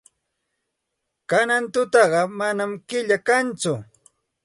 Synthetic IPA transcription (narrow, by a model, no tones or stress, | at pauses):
kanant̪ʊt̪ɑɢɑmanamkɪʎakant͡sʊ